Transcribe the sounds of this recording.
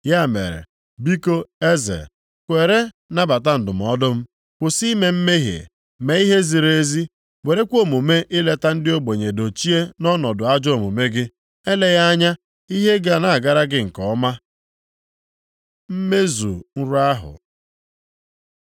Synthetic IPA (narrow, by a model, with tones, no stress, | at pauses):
ja˦˨mḛ˨ɾḛ˨ | bi˦ko˦e˦zḛ˨ | kʷe˨ɾe˦ | na˦ba˨ta˦n̩˨dʊ˨m̩˨ɔ˦dʊ˦m̩˦ | kʊ˨si˦me˨m̩˦me˦ɦḛ˨ | me˨i˦ɦe˦zi˨ɾe˨e˦zi˦ | we˨ɾe˦kʷo˦˨mu˨me˦ʔɪ˦le˦ta˦n̩˦dɪ˦o˦ɡ͡bo˨ɲe˨do˨t͡ʃi˦e˦nɔ˦nɔ˨dʊ˨a˦d͡ʒo˨mu˨me˦ɡɪ˦ | e˦le˦ja˦a˦ɲa˦ | i˦ɦe˦ɡa˦˨na˨a˨ɡa˦ɾa˦ɡɪ˦ŋ̩˨kɔ˨˦ma˦ | m̩˦me˦zṵ˨n̩˦ɾʊ˦a˦ɦʊ̰˨